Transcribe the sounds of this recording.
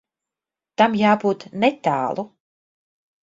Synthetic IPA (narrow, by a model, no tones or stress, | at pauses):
t̪amjaːbuːt̪nɛt̪a̰ːlˠu